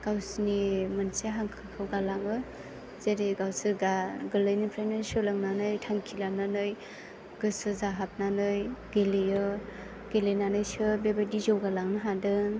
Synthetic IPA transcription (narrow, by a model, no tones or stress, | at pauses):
ɡ̥awsnimɯnseɦaŋkʰakʰɯwɡalaŋɯ | zeɾeɡawsɯɡaɡɯlɯjnipʰɾajnɯsɯlaŋnanɯjtʰaŋkʰilananɯj | ɡ̥ɯsɯzaɦap̚nanɯjɡelejɯ | ɡ̥elenanɯjsɯbebedizɔwɡalaŋnɯɦadɯŋ